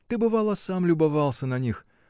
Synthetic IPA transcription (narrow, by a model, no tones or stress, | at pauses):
t̪ɪbɨvalˠɐsamlʲʊbɐvalˠsʲɐnɐnʲix